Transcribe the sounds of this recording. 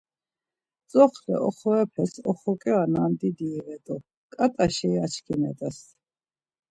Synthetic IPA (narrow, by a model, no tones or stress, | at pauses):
t͡sʼɔχlɛ̰ɔχɔɛpʰɛsɔχɔkʼɛanamd̪id̪iːvɛt̪ʼu | kʼat̪ʼaʃɛːat͡ʃʰkʰinɛ̰t̪ʼɛs